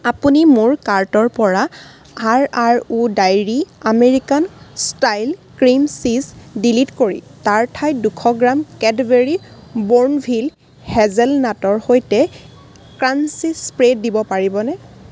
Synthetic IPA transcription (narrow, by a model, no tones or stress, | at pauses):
apunimʊɹkaɹtɔɹpɔɹa | aɹaɹudajɹiameɹikanstajlkɹimsizdilitkoɹḭtaɹtʰajdukʰɔɡɹamkɛdbeɹiboɹnbʱil | hɛzɛlnatɔɹhojtɛ | kɹansispɹedːibɔpaɹibɔnɛ